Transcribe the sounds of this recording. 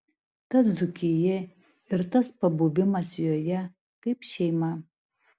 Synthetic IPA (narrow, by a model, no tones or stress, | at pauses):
tɐszukʲʰijɛ | ɪɾtɐspɐbuʋʲɪmɐsjojɛ | kɐɪpʃʲɛɪmɐ